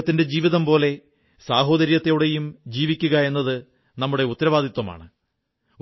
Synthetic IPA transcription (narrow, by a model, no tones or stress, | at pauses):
t̪ːinde̞d͡ʑiːʋiðɐmpo̞ːle̞ | saːɦo̞ːd̪ɐɾjɐt̪ːejuɽe̞jumd͡ʑiːʋikʲːuɣɐe̞nːɐðɨ | nɐmːuɽe̞ut̪ːɐɾɐʋaːd̪it̪wɐma̰ːɳɨ